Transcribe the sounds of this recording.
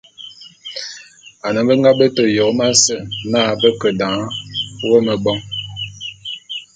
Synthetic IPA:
a˨nə˨bə˦ŋɡa˦bə˦to˨jo˨˦ma˦sə˦˨naː˦˨bə˦kə˨dã˨˦wə˦mə˨bɔ˦ŋ

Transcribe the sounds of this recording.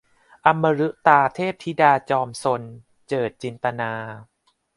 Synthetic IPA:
ʔa˧mːa˧ɾɯ˦˥ʔt̪aː˧t̪ʰeː˥˩p̚t̪ʰi˦˥daː˧t͡ɕɔː˧mso˧n | t͡ɕɤː˨˩t̪̚t͡ɕi˧nt̪a˧naː˧

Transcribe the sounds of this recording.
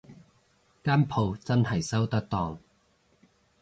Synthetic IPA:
kaː˥˨npʰo˧˩wt͡sa˧˥nha˨˩jsa˥˩wt̪aː˧t̪ɔː˨˩ŋ

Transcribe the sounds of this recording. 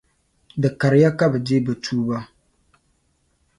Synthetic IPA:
dɨ˨ka˨ɾɪ˨˦ja˦ka˦bɛ˨de˦bɨ˨tʰuː˦ba˦

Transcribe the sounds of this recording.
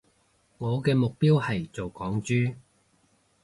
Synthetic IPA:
ŋɔː˨˧kɛː˧mʊ˨k̚piː˥whɐ˨jt͡so˨wkɔː˨˥ŋt͡ʃyː˥

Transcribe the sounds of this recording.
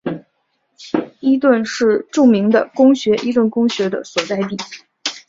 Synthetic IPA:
i˥t̪̬wə˥˧nʂɻ̩˥˧ʈ͡ʂu˥˩mi˧˥ŋd̪ə˧kʊ˥ŋɕɥɛ˧˥ʔi˥t̪wə˥˩nkʊ˥ŋɕɥɛ˧˥d̪ə̰˧swɔ˨˩t͡s̪a˥˧ɪt̪i˥˩

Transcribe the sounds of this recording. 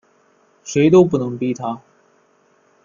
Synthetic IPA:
ʂe˨˥ɪt̪o˥ʊp̬u˥˩nɤ˧˥ŋpi˥˩t̪ʰa˥

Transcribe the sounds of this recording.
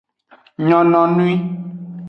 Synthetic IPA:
ɲɔ̃˨nɔ̃˨nũ˦i˦

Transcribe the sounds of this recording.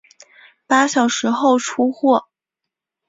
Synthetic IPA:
pa˥ɕjɑ˨˩ʊʂɻ̩˧˥xo˥˩ʊʈ͡ʂʰu˥xwɔ˥˩

